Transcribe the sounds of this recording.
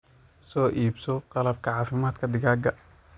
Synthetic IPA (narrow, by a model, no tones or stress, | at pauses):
sɔːʔiːbsɔqɑlɐb̚kʰɐʕɑːfɪmaːd̪kʰɐd̪ɪɣaːɡɐ